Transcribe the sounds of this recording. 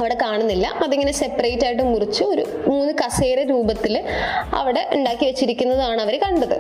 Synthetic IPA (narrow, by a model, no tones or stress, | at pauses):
ɐʋiɽe̞kaːɳunːilːɐ̰ɐðiŋːɐne̞se̞pːɐrejtːaːjiʈ̬ːɨmurit͡ɕːɨo̞ɾṵ | muːnːɨkɐseːreɾuːbɐt̪ːilɐ̰ʋiɽe̞ʔuɳɖaːkːiʋet͡ɕːiɾikʲːunːɐðɨaːɳɐʋɐɾekɐɳɖɐðɨ